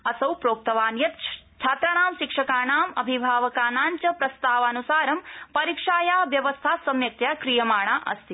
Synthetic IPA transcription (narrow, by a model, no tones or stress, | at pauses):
ɐsɐwpɾoːk̚t̪ɐʋaːnjɐt̪t͡ʃʰaːt̪ɾɐnaːmʃikʂɐkaːnaːmɐ̰bʱibʱaːʋɐkaːnaːɲt͡ʃɐpɾɐst̪aːʋɐːnusaːɾɐmpɐɾiːkʂaːjaːʋjɐʋɐst̪ʰaːsɐmjɐk̚t̪jaːkɾijɐmaːɳaːʔɐ̰st̪ʰi